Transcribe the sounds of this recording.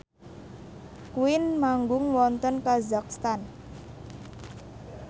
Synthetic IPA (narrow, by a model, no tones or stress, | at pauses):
kuɪnmaŋɡʊŋwɔnt̪ənkazak̚st̪an